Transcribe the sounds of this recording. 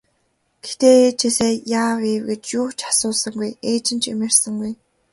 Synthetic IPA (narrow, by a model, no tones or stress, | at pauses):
ɡ̥ext̪eːt͡ɕʰeseːjaːweːwɡet͡ɕjʊːt͡ɕʰḁsʊːɮsə̆ŋɡujeːt͡ɕɪ̆nt͡ɕʰḛmĕrsə̆ŋɡuj